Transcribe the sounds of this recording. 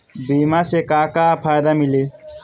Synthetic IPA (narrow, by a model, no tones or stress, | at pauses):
bimasekakapʰajd̪amile